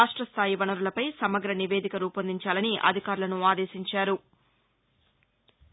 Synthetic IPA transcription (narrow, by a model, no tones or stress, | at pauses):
aːʂʈɾɐst̪ʰaːjiʋɐnɐɾulɐpɐjsɐmɐɡɾɐniʋeːd̪ʱikɐɾuːpɐnd̪iɲt͡ʃaːlɐniʔɐ̰d̪ʱikaːɾulɐnuaːd̪eːʃiɲt͡ʃaːɾu